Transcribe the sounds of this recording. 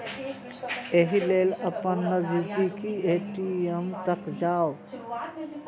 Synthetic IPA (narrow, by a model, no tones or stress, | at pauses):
eɦilelɐpanːəd͡ʒid̪ikieʈiemt̪akd͡ʒaw